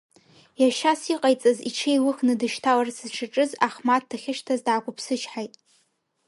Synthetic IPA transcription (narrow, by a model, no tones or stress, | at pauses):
jaʃasiqʼajt͡sʼaziʈ͡ʂʰejwɨχnɨdɨʃtʰalarsɨzʈ͡ʂʰaʈ͡ʂʼɨzaχmat̚ʰdaχʲɪʃtʰazdʕakʷʰʼʊpʰsɨt͡ʃʰħajtʼ